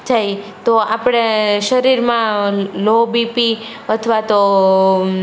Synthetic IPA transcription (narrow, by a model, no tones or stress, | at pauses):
t̪ʰaj | t̪oapɽ̃eʃəɾiɾmãlobipi | ət̪ʰəʋat̪o